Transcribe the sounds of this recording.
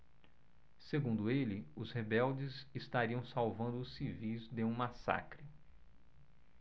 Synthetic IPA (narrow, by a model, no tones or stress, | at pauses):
seɡũnd̪ʊelɪʊzhebɛwd͡ʒɪzɪst̪aɾiɐ̃w̃sawvɐ̃nd̪ʊːsivizd̪eũmasa̰kɾɪ